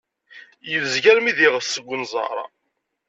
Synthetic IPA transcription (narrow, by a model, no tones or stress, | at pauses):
jəvzʝæɾmiðiʁəfsəɡʷːənzˤɑ̰ɾˤɑ̰